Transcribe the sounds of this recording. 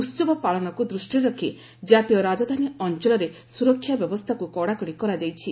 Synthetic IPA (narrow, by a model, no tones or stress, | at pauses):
usɔbɔpaɭɔnɔkud̪ɾusʈiɾɔkʰi | d͡ʒat̪ijɔɾad͡ʒɔd̪ʱaniɔnt͡ʃɔlɔɾe | suɾɔkʰːjabjɔbɔst̪ʰakukɔɽakɔɽikɔɾad͡ʒajt͡ʃʰi